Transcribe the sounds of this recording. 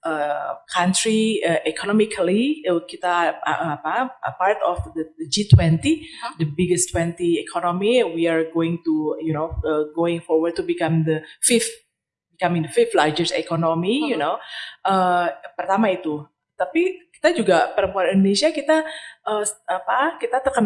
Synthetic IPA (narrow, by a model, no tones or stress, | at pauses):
ʔəkʰant̪ɾiəʔɛkʰonɔmikʰəlikit̪aʔapaəpart̪ɔfdədəd͡ʒit̪wɛ̃nt̪idəbiɡəst̪wɛ̃nt̪iɛkʰɔnomiwiaɹɡoɪŋt̪ujunoəɡoɪ̃ŋfɔɹwərd̚t̪ubikamd̪əfɪf | bikamɪ̃ŋdəfɪflad͡ʒəɹsḛkonomijunoʔəpərt̪amait̪u | t̪apiki̥t̪ad͡ʒuɡapəɾəmpuanĩndonesiakit̪aʔəapakit̪at̪əkan